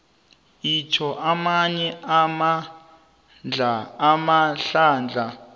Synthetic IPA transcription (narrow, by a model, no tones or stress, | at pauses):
it͡ʃʰɔʔamaɲɛama | d͡ɮaːmaɬaːnd͡ɮʱa